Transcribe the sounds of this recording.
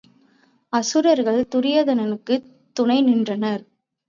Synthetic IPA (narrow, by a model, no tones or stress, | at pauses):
ɐsɯɾɐɾɣɐɭt̪ʊɾɪjɐðɐnɐnɯkːɯ | t̪ːʊnɐɪnɪndrɐnɐɾ